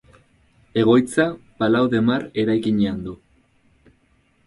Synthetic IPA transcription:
e̞ɣ̞o̞jt͡sapalawðe̞maɾe̞ɾajkiɲeand̪u

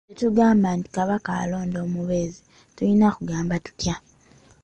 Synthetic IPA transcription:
etuɡaːmbaːnti̥kaβakaːlo̞ːndo̞ːmuβeːzi | tulinakuɡaːmbatu̥tja

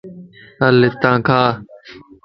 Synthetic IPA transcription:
əlɪt̪ãːkʰaː

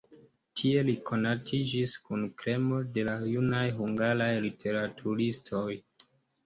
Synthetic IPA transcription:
tʰie̞likʰo̞natʰid͡ʒiskunkɾe̞mo̞de̞lajunajɦuŋɡaɾajlitʰe̞ɾatʰuɾistʰo̞j

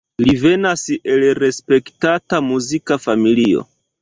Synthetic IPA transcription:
live̞nase̞lɾe̞spe̞ktatamuzikafamilio̞̰

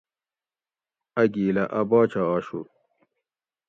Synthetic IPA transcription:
ɐɡiːlɐʔɐbaːt͡ɕaaːɕṵ

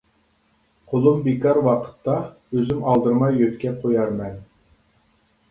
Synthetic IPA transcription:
qʰolˠumbekɑɾwɑqʰə̥t̪ːɑ | øzymɑlˠd̪ɨɾmɑjøt̪kʲɛqʰojɑɾmɛn

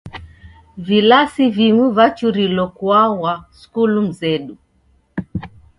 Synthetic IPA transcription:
vilasiviŋuvat͡ʃuɾilɔkwawaskulum̩zɛɗu

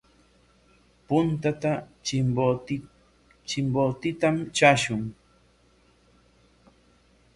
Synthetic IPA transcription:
pʊnt̪at̪a | o | t͡ʃɪmbot̪ɪt̪amt͡ʃaʃʊŋ

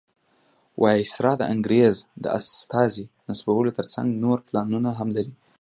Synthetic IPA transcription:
wʔɑsɾɑd̪əʔaŋɡɾezd̪ə̰a̰st̪ɑzinasbawəlot̪əɾt͡sa̰ŋɡnoɾplɑnunaɦamlaɾi

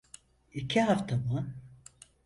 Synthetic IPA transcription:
icʰiɦaft̪ʰamɯ

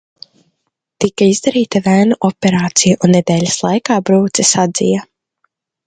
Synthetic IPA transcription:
t̪ikaizd̪aɾiːt̪avæːnuʔɔpʲɛɾaːt̪sijaʔunːed̪ɛːlʲaslˠajkaːbɾuːt̪sɛsad̪zḭja

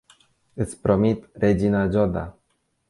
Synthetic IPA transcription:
ɨt̪sʲpɾo̞mit̪red͡ʒinad͡ʒod̪a̰

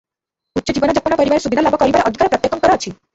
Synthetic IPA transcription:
utːʃɔd͡ʑibɔnad͡ʒapɔnapɔɾibaɾesubʱid̪ʱalabɔkɔɾibaɾʔɔd̪ʱikaɾɔpɾɔt̪jekʰːɔnkɔɾɔt͡ʃʰi

